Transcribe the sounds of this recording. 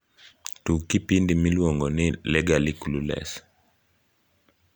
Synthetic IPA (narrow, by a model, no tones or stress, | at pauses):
tukipindimilwɔŋɡɔnɪlɛɡalikululɛ̰s